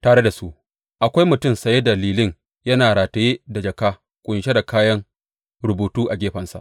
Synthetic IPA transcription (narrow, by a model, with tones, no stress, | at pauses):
taː˨ɽe˦da˨su˦ʔ | ʔa˨kʷa˦jmʊ˨tʊ˦˨msɐ˨je˦dɐ˨liː˨lɪ˦ɲ | jɐ˦naː˨ɽaː˨tɐ˨jeː˦da˨d͡ʒɐ˨kaː˦ | kʷʼʊ˨nʃe˦da˨kaː˦jɐ˦ŋ | ɾʊ˨buː˨tuː˦ʔa˨ɡʲeː˦ɸɐ˨nsa̰˨ʔ